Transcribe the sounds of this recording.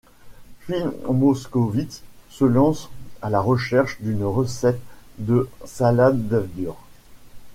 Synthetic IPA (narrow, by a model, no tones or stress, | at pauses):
pɥimoskovit̪səlɑ̃salaʁəʃɛʁʃd̪ynʁəsɛt̪d̪əsalad̪ːavd̪yʁ